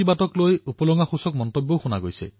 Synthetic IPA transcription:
ibatɔklojupɔlɔŋaxusɔk̚mɔntobːɔwxuna̰ɡojsḛ

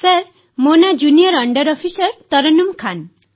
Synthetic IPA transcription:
saɾ | monad͡ʒuniɔɾɔɳɖʌɾɔpʰisɔɾt̪ɔɾɔnumkʰan

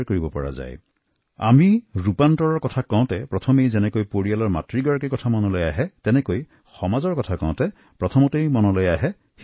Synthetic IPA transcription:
ɹkoɹibɔpɔɹa̰za̰j | a̰miɹupantɔɹɔɹkɔtʰakãʊ̃tɛpɹɔtʰɔmejzɛnɛkojpoɹialɔɹma̰tɹiɡɔɹakikɔtʰamɔnɔlojaɦɛtɛnɛkoj | xɔmazɔɹkɔtʰakã̰ʊ̃tɛ | pɹɔtʰɔmɔtejmɔnɔlojaɦɛ | x

